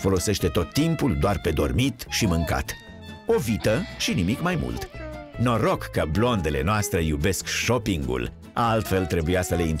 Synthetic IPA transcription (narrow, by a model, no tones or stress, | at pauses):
fo̞lo̞se̞ʃt̪e̞t̪o̞t̪ːimpuld̪oarpe̞d̪o̞̰rmit̪ʃimɨŋka̰t̪ | o̞vit̪əʃinimikmajmṵlt̪no̞ɾo̞kːəblo̞nd̪e̞le̞̰noast̪ɾe̞jube̞skʃo̞piŋɡṵl | a̰alt̪fe̞lt̪ɾe̞bujasəleint̪